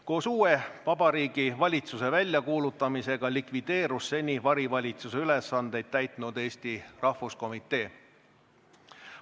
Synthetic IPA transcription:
ko̞ːsuːe̞vɑb̥ɑɾiːɡ̥ivɑlʲit̪suse̞vælʲjɑkuːlut̪ːˑɑmise̞ɡ̥ɑlikvid̪̥e̞ːɾusːe̞nʲivɑɾivɑlʲit̪suse̞ylesɑnd̪̥e̞jd̪̥̚t̪æjt̪ˑnud̪e̞ːst̪irɑhvusko̞mit̪ːˑe̞ː

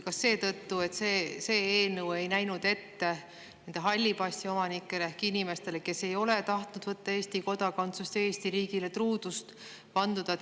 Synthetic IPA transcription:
kɑsːe̞ːt̪ɤt̪ːue̞t̪seːse̞ːeːnɤwe̞jnæjnud̪̥e̞t̪ːe̞ | ne̞nd̪̥e̞ɦɑlʲːibɑsʲt̪io̞mɑnikˑːe̞leehkinime̞st̪e̞le̞ke̞se̞jo̞le̞t̪ɑht̪nud̪̥vɤt̪ːɑeːst̪iko̞d̪̥ɑkont̪sust̪ee̞ːst̪iɾiːɡ̥ile̞t̪ruːd̪̥ust̪ | pɑnd̪̥ud̪̥ɑ

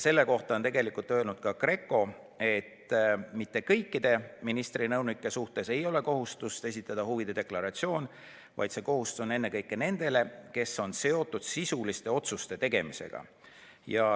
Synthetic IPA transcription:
se̞lːe̞ko̞ht̪ɑo̞nt̪e̞ɡe̞likult̪ːˑøe̞lnud̪̥̚kɑkre̞kːˑo̞ | e̞t̪mit̪ːe̞kɤ̞jkːid̪̥e̞minist̪rinɤwnikːˑe̞suht̪e̞se̞jo̞le̞ko̞ɦust̪ust̪e̞s̬ʲit̪ːˑɑd̪̥ɑhuvid̪̥e̞d̪e̞klɑɾɑt̪sio̞ːn | vɑ̰jd̪se̞ko̞ɦust̪sone̞nːe̞kɤjkːˑene̞nd̪̥e̞le̞ke̞so̞nse̞o̞t̪ːˑud̪̥sisulist̪e̞o̞t̪sust̪e̞t̪e̞ɡ̥e̞mise̞̰ɡ̥ɑ̰jɑ

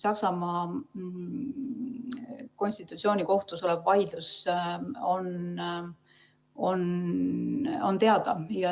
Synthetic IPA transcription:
sɑksɑmɑ | ko̞nʲsʲt̪it̪ːˑut̪sio̞ːnʲiko̞ht̪uso̞lɛb̥vɑjd̪lus | on | o̞n | o̞nt̪e̞ɑd̪̥ɑjɑ

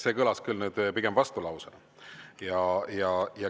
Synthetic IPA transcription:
sekɤlɑskɯlnud̪̥piɡ̥e̞mvɑst̪ulɑwsɑn | jɑjɑjɑ

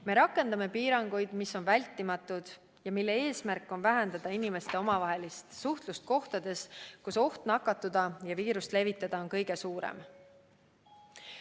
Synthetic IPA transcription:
me̞ɾɑkːˑe̞nd̪̥ɑme̞piːɾɑŋɡ̥ujd̪̥misːo̞nvælʲt̪ːˑimɑt̪ːˑud̪̥ | jɑmilːe̞e̞ːsmærkːˑo̞nvæɦend̪ɑd̪̥ɑinime̞st̪e̞o̞mɑvɑɦe̞list̪suht̪lust̪̚ko̞ht̪ɑd̪̥e̞skuso̞ht̪nɑkːˑɑt̪ːˑud̪ɑjɑviːɾust̪le̞vit̪ːˑɑd̪̥ɑo̞nkɤjɡ̥e̞suːɾḛm

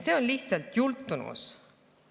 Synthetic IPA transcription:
se̞onliht̪sɑlt̪jult̪ˑːunṵs

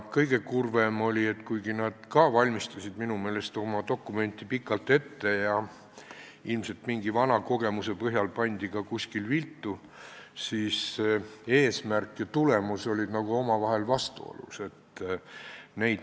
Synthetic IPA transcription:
kɤjɡ̥e̞kurve̞mo̞lʲie̞t̪ːkujɡ̥inɑd̪̥kɑvɑlʲmist̪ɑsʲid̪minume̞ːle̞st̪o̞mɑd̪o̞kːˑume̞nʲt̪ːˑipikːˑɑlt̪e̞t̪ːe̞jɑ | ilmse̞lt̪miŋɡivɑnɑko̞ɡ̥e̞muse̞pɤɦjɑlpɑnʲd̪̥ikɑkusʲkilvilt̪ːˑu | siːs | e̞ːsmærkːˑjɑt̪ule̞muso̞lʲid̪nɑɡuo̞mɑvɑɦe̞lvɑst̪uo̰lṵse̞t̪ː | ne̞jd̪

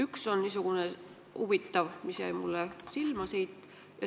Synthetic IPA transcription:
ykso̞nnisuɡ̥une | uvit̪ːɑvmisjæ̰jmulːesilmɑsiːt̪ːˑ | jɑ

